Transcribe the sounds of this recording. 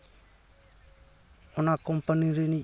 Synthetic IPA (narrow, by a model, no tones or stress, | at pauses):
onakompaniɾini